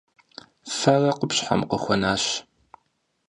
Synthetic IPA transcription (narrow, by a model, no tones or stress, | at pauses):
fɐrɐqʊpɕħa̰mqəxʷɔnaːɕ